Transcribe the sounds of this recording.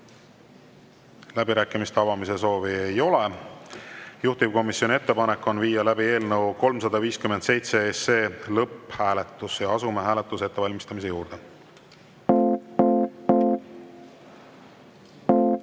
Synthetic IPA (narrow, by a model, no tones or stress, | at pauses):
læb̥iɾæːkːˑimist̪ɑvɑmis̬e̞so̞ːviejo̞le̞ | juht̪ipko̞misːjo̞nie̞t̪ːe̞pɑnekːˑo̞nviːjːɑlæbie̞ːlnəwko̞lmsɑd̪̥ɑviːskyment̪se̞jt̪se̞ese̞lɤpːhæːle̞t̪ːˑusjɑɑsumeɦæːlet̪ːˑuse̞t̪ːevɑlʲmist̪ɑmise̞juːrd̪̥e̞